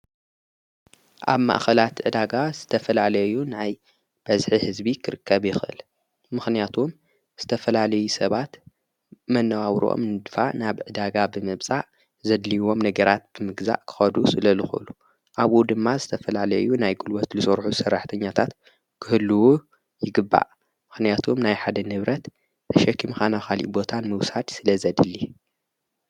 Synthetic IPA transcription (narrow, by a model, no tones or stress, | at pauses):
ʔa̰βma̰ʔxɐlat̪ʕɨd̪aɡazɨt̪ʰɐfɐlalɐjunaj | b̥ɐzħihɨzbikʰɨɾɨkʰːɐβjɪxʔɨ̰l | mɨxnijat̪ʰum | z̥ɨt̪ʰɐfɐlalɐjusɐβat̪ | mɐnːɐwaβɾʔo̰mnɨd̪fa̰ʔnaβʕɨd̪aɡabɨmɨβt͡sʼaʔ | zɐd̪liwo̞mnɐɡɐɾat̪̚b̥ɨmɨɡza̰ʔkʰɨ̥xɐd̪usɨlɐlɨxɨ̰lu | ʔaβʔud̪ɨmːazɨt̪ʰɐfɐlalɐ̰junajɡulwɐt̪lɨsʼɐɾħusɐrːaħt̪ʰɐɲːat̪ʰat̪ | kʰɨhɨlːuwu | jɪɡɨbːa̰ʔ | mɨxnijat̪ʰumnajħad̪ɐnɨβɾɐt̪ | t̪ʰɐʃɐkʰːimxanakalḭʔbo̞t̪ʰanmɨwsad̪sɨlɐzɐd̪ɨlːi